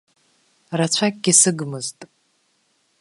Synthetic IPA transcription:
rat͡ɕʷʰakʼɡʲɪsɨɡmɨztʼ

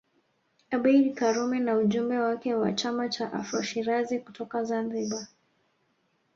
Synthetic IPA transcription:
aɓɛjɾikaɾumɛnauʄumbɛwakɛwa̰t͡ʃamat͡ʃaʔa̰fɾɔʃiɾazikutɔkazanziɓa

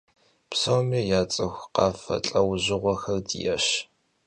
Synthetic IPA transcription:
psoːmiːjaːt͡sʼɨxʷqɑːfɐ̰t͡ɬʼɐwʑɪʁʷɔxɐrdḭjɛɕ

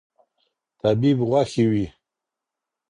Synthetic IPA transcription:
t̪ʰabibʁʷaxiwi

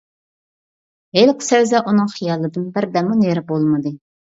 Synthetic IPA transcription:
ɦelqʰʊ̥sɛwzɛʔunɨŋχijɑlˠɨd̪ɨnbɪɾd̪ɛmuneɾɪbolˠmɨd̪ɨ

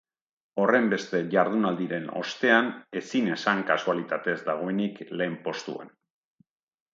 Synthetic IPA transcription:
o̞re̞mbe̞st̪e̞ʝaɾð̞unald̪iɾe̞no̞̰st̪e̞ane̞sine̞saŋkasualit̪at̪e̞zd̪aɣ̞o̞e̞nikle̞ːmpo̞st̪ṵḛn

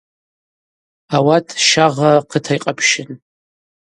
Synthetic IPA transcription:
awatʰʼʃaʁaqʰətʰajqʼapʰʃɪn

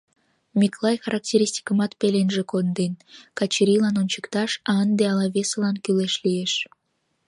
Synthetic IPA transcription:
mʲiklˠɑjxɑɾʔɑk̚tʲeɾʲisʲtʲi̥kəmɑt̪pelenʒekond̪enkɑt͡ɕiɾʲilɑnonʲt͡ɕə̥kt̪ɑʃɑənd̪eɑlɑβesəlɑnkyleʃlieʃ

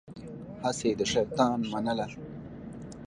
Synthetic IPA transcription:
hased̪əʃaɾt̪ɑːnmanəla

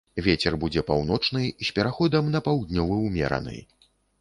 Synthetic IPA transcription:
vʲet͡sʲɛrbud͡zʲɛpawn̪ɔt͡ʂnɨjsʲpʲɛɾaxɔd̪ɐmnɐpawd̪nʲɔvɨwmʲɛ̰ɾɐ̰nɨ̰j

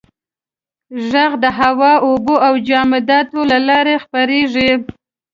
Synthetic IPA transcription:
ʒaɣd̪əɦawɑoboawd͡ʒɑmɪd̪ɑt̪olalɑɾexpaɾeʐi

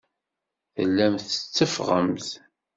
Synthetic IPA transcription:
θə̰lːæmθət͡sːəfʁə̰mθ

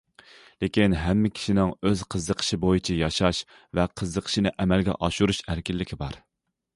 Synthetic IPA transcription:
lekʲinɦɛmːɪkʲʰi̥ʃinɪŋøz̥qʰəzəqʰə̥ʃɪbojit͡ʃʰɛjɑʃɑʃ | vɛqʰəzd̪əqʰə̥ʃɪnɪʔɛmɛlɡʲɛ̰ʔɑʃuɾuʃæɾkʲɪlːɪkʲʰibɑɾ

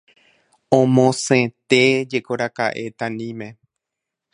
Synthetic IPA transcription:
õmõsẽt̪e̞d͡ʒe̞koɾakaʔe̞t̪ãnĩmẽ̞

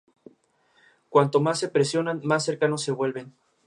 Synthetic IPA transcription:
kwant̪o̞mas̬ːe̞pɾe̞sjo̞nanmasːe̞ɾkano̞sːe̞βwe̞lβe̞n

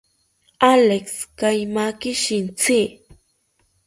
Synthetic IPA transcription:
alekskajmakɪʃɪnt͡sɪ

